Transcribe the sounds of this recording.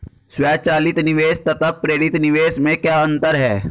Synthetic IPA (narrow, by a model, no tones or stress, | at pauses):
swɛːt͡ʃaːlɪt̪nɪʋeːst̪ɐt̪ʰəpɾeːɾɪt̪nɪʋeːsmẽkjaːə̃nt̪əɾɦɛː